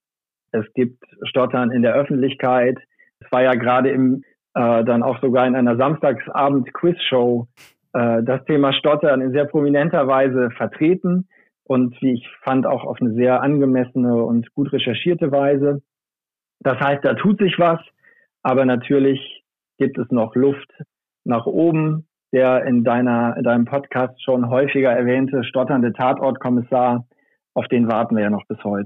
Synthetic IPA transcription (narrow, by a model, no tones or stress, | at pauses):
ʔɛsɡ̥iːp̚tʃtɔtʰɐnɪndeːɐʔœfn̩tlɪçkʰaɪt | ɛsv̥aːɐjaːɡəʁaːdəɪm | ʔɛːdana̰ʊxz̥oɡaːɐɪnʔaɪnɐzamstaːksʔa̰ːbm̩tkʰw̥ɪsʃoʊ | ʔɛːdastʰeːmaːʃtɔtɐnɪnzeːɐpʁ̥ominɛntɐvaɪzəfɛɐtʁ̥eːtn̩ | ʔʊntv̥iːɪçfanda̰ʊxa̰ʊfnəzeːɐʔanɡəmɛsənəʊ̰ntɡ̥uːtʁɛʃɛɐʃiːɐtəvaɪzə | d̥ashaɪst̚d̥aːtʰuːtz̥ɪçv̥as | ʔaːbɐnatʰyːɐlɪç | ɡ̥iːp̚tɛsnɔχlʊft | naːχʔoːbm̩ | d̥eːɐɪndaɪnɐɪ̰ndaɪnəmpʰɔtkʰaːstʃoːnɦɔʏfɪɡɐɛɐvɛːntəʃtɔtɐndətʰaːtʔɔɐtkʰɔmɪsaːɐ | ʔaʊfd̥eːnvaɐtn̩viːɐjaːnɔχb̥ɪshɔʏtə̥